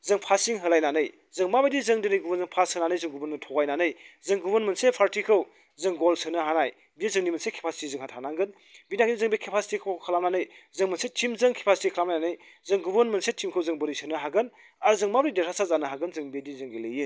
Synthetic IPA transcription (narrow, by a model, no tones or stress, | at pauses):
zɯŋpʰasiŋɦɯlajnanɯj | zɯŋmabejdizɯŋdinɯjɡubɯnzɯŋpʰasɯnanɯjzɯŋɡubɯnɯtʰɔɡajnanɯjzɯŋɡubɯnmɐnsepʰaɾtikʰɯw | zɯŋɡolsʰɯnɯɦanaj | biezɯŋnimɐnsekʰe̥pʰasi̥tizɯŋhatʰanaŋɡɯn | binaɡnizɯŋbekʰepʰasi̥tikʰowkʰɐlamnanɯjzɯŋmɐnsetʰimzɯŋkʰe̥pʰasi̥tikʰəlamnajnanɯj | zɯŋɡubɐnmɐnsetʰimkʰɯwzɯŋbɯɾisɯnɯɦaɡɯn | aɾzɯŋmabɾideɾʰasazanɯɦaɡɯnzɯŋbedizɯŋɡelejɯn